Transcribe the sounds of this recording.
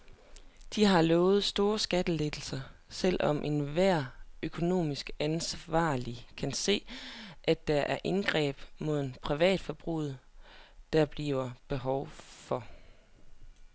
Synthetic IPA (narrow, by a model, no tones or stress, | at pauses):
d̥iɦɑ̈lɔːʊð̩ˠsd̥o̝ːɐsɡ̥æd̥əled̥l̩sɐsel̰ʔɒ̽mʔe̝nʋæɐ̰økʰo̝no̝̰ːmisɡ̥ænsʋɑ̰̈ːlikʰænse̝̰ːʔæ̥ɑ̈ʔæɐʔe̝nɡ̥ʁɛ̰ːb̥mo̝ð̰ˠn̩pʰʁiʋɛ̰ːd̥fɒb̥ʁṵð̰̩ˠd̥ɑ̈b̥liːʊɐb̥e̝ɦɒʊfɒ̽